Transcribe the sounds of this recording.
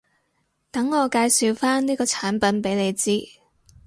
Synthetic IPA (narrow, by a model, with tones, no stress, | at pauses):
t̪ɐ˨˥ŋːɔː˨˧kaː˧jsi˨˧wfaː˥nniː˥kɔː˧t͡sʰaː˨˥npɐ˨˥npe˨˥jne˨˧jt͡siː˥